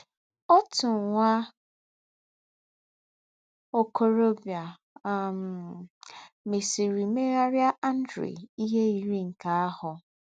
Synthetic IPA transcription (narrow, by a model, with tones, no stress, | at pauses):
ɔ˦tʊ˨ŋ˨ŋʷa˦ | o˨kʰo˨ɾo˦bja˨ | m˨ | me˨si˨ɾi˨me˦ɾa˦ɾja˦ʔa˦n̩˦dɾḛ˨i˦ɦe˦i˨ɾi˦ŋ̩˨ka˨a˦hʊ˨